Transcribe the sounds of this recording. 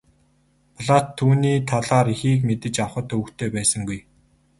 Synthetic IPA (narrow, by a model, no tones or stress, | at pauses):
pʰɮaːtt̪ʰːuːniːt̪ʰaɮaːɾixiːk̬met̪ɘ̆t͡ɕawχə̆t̪ɵw̆kt̪ʰeːpæːsə̆ŋɡuj